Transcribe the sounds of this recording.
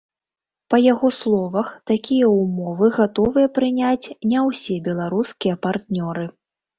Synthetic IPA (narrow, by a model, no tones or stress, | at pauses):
pɐjaɣɔslˠɔvɐxt̪akʲijɐumɔvɨɣat̪ɔvɨjɐpɾɨnʲat͡sʲnʲɛwsʲɛbʲɛlˠaɾuskʲijɐpart̪nʲɔɾɨ